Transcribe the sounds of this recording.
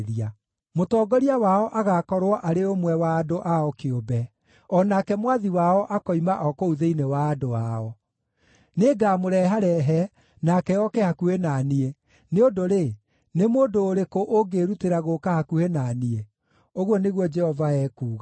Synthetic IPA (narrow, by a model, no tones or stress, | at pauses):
ɾia | motɔːɡɔɾiawaɔʔaɣakɔɾwɔʔaɾeomwɛwaːdoʔaɔkeobɛ | ɔnakɛmwaðiwaɔʔakɔimaʔɔkouðeinewaːdoaɔ | neːɡamoɾɛːɦaɾɛɦɛ | nakɛjɔkɛhakuhenaːnie | neodoɾe | nemoːdoːɾekoʔoɡeɾuteɾaɣokahakuhenanie | oɣwɔneɣwɔd͡ʒɛhɔvaɛːkuːɣa